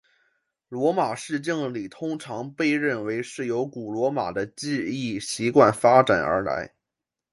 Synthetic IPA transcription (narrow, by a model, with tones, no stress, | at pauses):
lwɔ˧˥ma˨˩ʂɻ̩˥˧t͡ɕi˥˩ŋli˨˩t̪ʰʊ˥ŋʈ͡ʂʰɑ˧˥ŋpe˥˧ɪɻə˥˩nwe˧˥ɪʂɻ̩˥˩jo˧˥ʊku˨˩lwɔ˧˥ma̰˨˩d̪ə˦t͡ɕi˥˧i˥˩ɕi˧˥kwa˥˩nfa˥ʈ͡ʂa˨˩nə̰˞˧˥la̰˧˥ɪ